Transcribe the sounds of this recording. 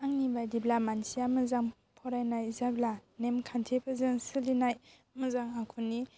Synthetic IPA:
aŋnibajdiblamansijamɯzaŋ | pʰɔɾajnajzablanemkʰantʰepʰɯzɯŋsɯlinaj | mɯzaŋakʰunːi

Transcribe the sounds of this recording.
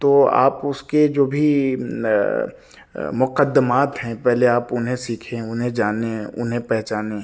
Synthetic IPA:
t̪oːa̰ːpʊsked͡ʒoːbʱi | mʊqəd̪ːəmaːt̪ɦɛ̃pɛɦleaːpʊnɦẽsiːkʰẽʊnɦẽd͡ʒaːneʊ̰nɦẽpɛɦt͡ʃaːne

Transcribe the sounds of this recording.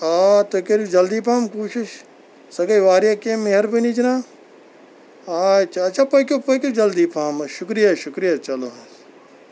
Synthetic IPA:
aːt̪okeɾid͡ʒɐld̪iːpʰaːmkuːʃɪʃ | sɐɡɐiʋaːɾijakemeɦɐɾbinid͡ʒnãː | aːt͡ʃʰaɐt͡ʃʰaːpɐikʲopokʲod͡ʒɐld̪ipʰaːmɐʃʊkɾijaʃʊkɾijat͡ʃɐlos

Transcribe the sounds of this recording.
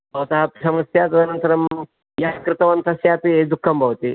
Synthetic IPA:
bɐʋɐt̪ɐɦɐsɐmɐsjaːt̪ɐd̪ʱɐnɐnt̪ɐɾɐm | jaːɐkɾɪt̪ɐʋɐnt̪ɐsjaːt̪ied̪ukʰːɐmbʱɐʋɐt̪i

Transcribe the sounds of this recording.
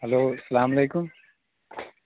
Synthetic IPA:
ɦɐloːɐsɐlaːmɐleːkʊm

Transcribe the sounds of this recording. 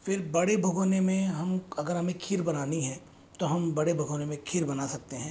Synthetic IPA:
fʰɪɾbɐɽebʱɐɡʱoːnemẽɦɐmɐɡəɾɦɐmẽkʰiːɾbɐnaːniɦɛ̃ː | t̪oɦɐmbɐɽebʱɐɡʱoːnemẽkʰiɾbɐnasɐk̚t̪eɦɛ̃ː

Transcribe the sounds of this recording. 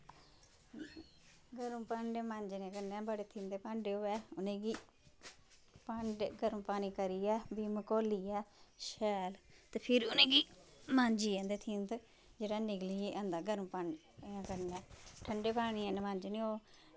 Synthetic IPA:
ɡəɾũːpaɳɖeːmãːɲd͡ʒnãːkəɾnɛːbəɽeːt̪ʰiːmd̪eːpãːɳɖeːoːɛːʊnẽːɡiː | paɳɖɡəɾ̃mpaːniːkəɾiːɛːbiːməkoːliːɛːʃɛːlt̪eːpʰɪɾʊnẽːɡiːmãːɲd͡ʒiːɛ̃nd̪eːt̪ʰiːmt̪ | d͡ʒeːɽaːnɪɡliːʔə̃nd̪aːɡəɾũːpaɳɖ | ãːkəɾnːɛːʈʰəɳɖeːpaːɽ̃iːɛ̃ːnemãːɲd͡ʒniːoː

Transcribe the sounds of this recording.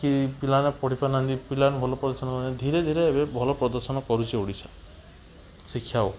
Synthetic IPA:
kipilanepɔɽ̤ipanand̪ipilanbʱɔlɔpɾɔd̪ɔɾsɔnɔkɔɾined̪ʱiɾed̪ʱiɾeːbebʱɔlɔpɾɔd̪ɔɾsɔnɔkɔɾut͡ʃʰioɽisa | sikʰːjao

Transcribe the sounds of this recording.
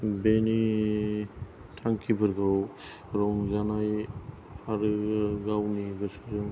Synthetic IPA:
beni | tʰaŋkʰibɯɾɡaw | ɾɔmzanaj | aɾɯɡawniɡɯsɯɾɯŋ

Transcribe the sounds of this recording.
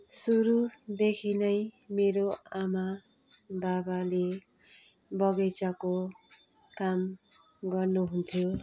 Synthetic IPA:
suɾud̪ekʰinʌjmeɾoama | babale | bʌɡʌt͡sʌko | kam | ɡʌrnuɦunt̪ʰjo

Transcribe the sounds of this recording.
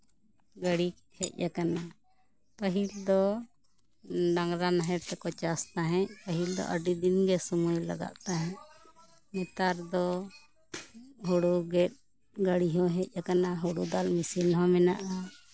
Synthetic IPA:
ɡəɽi | hɛc̪̚ˀjakana | pəɦild̪ɔ | ɖaŋɡɾanaɦɛɾt̪ɛkɔt͡ʃast̪aɦɛ̃ʔpəɦild̪ɔ̰ʔəɖid̪inɡɛsɔmujla̰ɡa̰ʔt̪aɦɛ̃ʔ | mɛt̪aɾd̪ɔ | ɦuɽuɡɛt̪̚ | ɡəɽiɦɔ̃ɦɛt̪̚ˀjakanaɦuɽud̪almisinɦɔ̃mɛnaʔa

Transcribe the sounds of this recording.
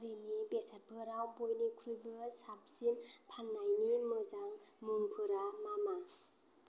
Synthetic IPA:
ɾinibesabʰʱɯɾawbojnikʰɾujbɯsap̚zimpʰanːajnimɯzaŋmuŋpʰɯɾamama

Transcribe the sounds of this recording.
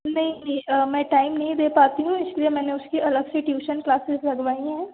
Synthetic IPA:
nɐɦĩnĩmɛ̃ːʈaːɪmnɐɦĩd̪eːpaːt̪iɦũɪsliemɛ̃ːneʊskiʔɐləɡseʈjuːʃənklaːsɪzlɐɡʋaːiɦɛ̃ː

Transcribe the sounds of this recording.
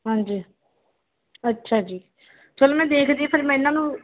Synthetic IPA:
ɦãːɲd͡ʒiː | ətːʃʰaːd͡ʒiː | t͡ʃəloːmɛ̃ːd̪eːkʰd̪iːpʰəɾimɛ̃ɪnãːnũː

